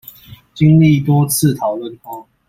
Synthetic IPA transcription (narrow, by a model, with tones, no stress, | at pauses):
t͡ɕi˦ŋli˥˨t̪wɔ˥t͡s̩ʰ˥˨t̪ʰɑ˨˦ʊlwə˥˨nka˥˦